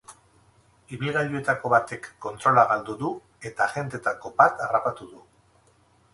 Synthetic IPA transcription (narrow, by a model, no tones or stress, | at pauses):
iβilɣaɾue̞t̪ako̞βat̪e̞kːo̞nt̪ɾo̞laɣald̪uðu | e̞t̪aɣe̞nt̪e̞t̪ako̞bat̪arapat̪uðu